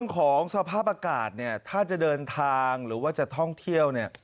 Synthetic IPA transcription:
əŋkʰɔː˩˦ŋsa˧pʰaː˥˩p̚ʔaː˧kaː˨˩t̪̚ni˥˩ɐt̪ʰaː˥˩t͡ɕa˨˩dɤː˧nt̪ʰaː˧ŋɾɯː˩˦waː˥˩t͡ɕa˨˩t̪ʰɔ˥˩ŋt̪ʰi˥˩əwni˥˩ɐ

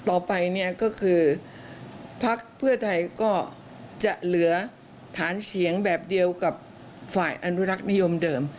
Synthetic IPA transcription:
t̪ɔː˨˩pa˧jni˥˩ɐkɔː˥˩kʰɯː˧ | pʰa˦˥k̚pʰɯ˥˩ɐt̪ʰa˧jkɔː˥˩ | t͡ɕa˨˩ʔlɯ˩˦ɐ | t̪ʰaː˩˦nt͡ɕʰi˩˦əŋbɛː˨˩p̚di˧əwka˨˩p̚ | faː˨˩jʔa˧nu˦˥ɾa˦˥k̚ni˦˥jo˧mdɤː˧m

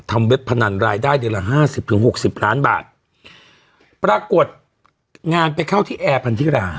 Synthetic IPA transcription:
t̪ʰa˧mwe˦˥pʰːa˧na˧˩nɾaː˧jdaː˥˩jdɯ˧la˨˩ɦaː˥˩si˨˩p̚t̪ʰɯ˩˦ŋɦo˨˩k̚si˨˩p̚ɾaː˦˥nba̰ː˨˩t̪̚ | pɾaː˧ku˨˩ət̪̚ | ŋaː˧npa˧jkʰa˥˩wt̪ʰiː˥˩ʔɛː˧pʰa˧nt̪ʰi˦˥˩ɾaː˧˩

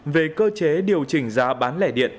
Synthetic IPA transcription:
ve˨˩kəː˧t͡ɕe˨˦ɗi˨˩əwt͡ɕï˨˩ŋ̟zaː˨˦ɓaː˨˦nlɛ̰˧˩ɗḭ˧˨ən

